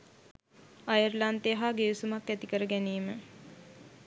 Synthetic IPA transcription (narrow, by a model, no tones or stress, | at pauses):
ajərlant̪eɦaːɡeʋusumakːæt̪ikəɾəɡæniːmə